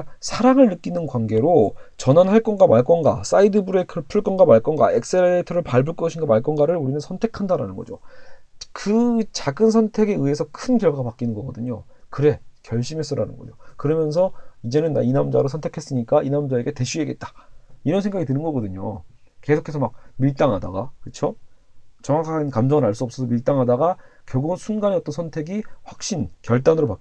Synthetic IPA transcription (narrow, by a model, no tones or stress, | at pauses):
asʰaɾaŋɯɭnɯk͈inɯnkwanɡe̞ɾot͡ɕʌnanhaɭk͈ʌnɡamaɭk͈ʌnɡa̰s͈aidɯbuɾe̞kʰɯpʰuɭk͈ʌnɡamaɭk͈ʌnɡa̰ek̚s͈eleetʰʌɾɯɭpaɭbuɭk͈ʌɕʰinɡamaɭk͈ʌnɡaɾɯɭuɾinɯnsʰʌntʰe̞kʰandaɾa̰nɯnɡʌ̰d͡ʑo | kɯt͡ɕaɡɯnsʰʌntʰe̞ɡe̞ɯɦe̞sʰʌkʰɯnkjʌɭɡapak͈inɯnɡʌɡʌdɯɲokɯɾe̞kjʌɭɕ͈ime̞s͈ʌɾa̰nɯnɡʌd͡ʑokɯɾʌmjʌns̬ʰʌid͡ʑe̞nɯnːa̰inamd͡ʑaɾosʰʌntʰe̞kʰe̞s͈ɯɲik͈ainamd͡ʑae̞ɡe̞te̞ɕʰie̞ɡe̞t̚t͈ḁiɾʌnsʰeŋɡaɡitɯnɯnɡʌɡʌdɯɲo̰ke̞sʰokʰesʰʌmak̚miɭt͈aŋɦada̰ɡakɯt͡ɕʰo | t͡ɕʌŋwakʰankamd͡ʑʌŋɯɾaɭs͈uʌp̚s͈ʌsʰʌmiɭt͈aŋɦadaɡakjʌɡunsʰunɡaneʌt͈ʌnsʰʌntʰe̞ɡiɸwak̚ɕ͈inkjʌɭt͈anɯɾopak